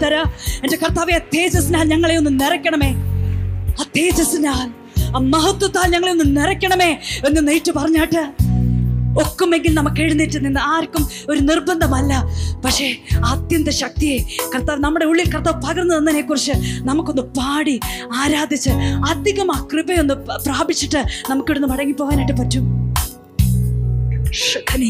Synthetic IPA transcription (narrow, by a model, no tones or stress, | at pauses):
t̪ɐɾɐendekɐrt̪aːʋeɐd̪ʱeːd͡ʑɐsinaːlɲɐŋːɐɭeo̞nːɨmnirɐkʲːɐɳɐme̞ː | ɐt̪ʰːeːd͡ʑɐsinaːl | mɐɦɐt̪ːwɐt̪ːaːlɲɐŋːɐɭeo̞nːɨmniɾɐkʲːɐɳɐme̞ːenːɨnijʈːɨpɐrɐɲːaːʈːɨ | o̞kːume̞ŋɡilnɐmɐkːeɻunːiʈːɨninːɨaːɾkːum | o̞ɾunirbɐnd̪ʱɐmɐlːɐpɐkʂe̞ɐd̪jɐnt̪ɐɕɐk̚t̪ijekɐrt̪ːaːʋnɐmːuɽe̞uɭːilkɐrt̪ːaːʋpɐɣɐrnːɐðɐnːɐneːkːurit͡ɕːɨnɐmukːo̞nːɨpaːɽiaːɾaːd̪ʱit͡ɕːɨɐd̪ʱiɣɐmaːkrɨbɐjo̞nːɨpraːbit͡ɕːiʈːɨnɐmukːiɾunːɨmɐɽɐŋːipːoːɣaːnajʈːɨpɐtːum | ʂɐkɐni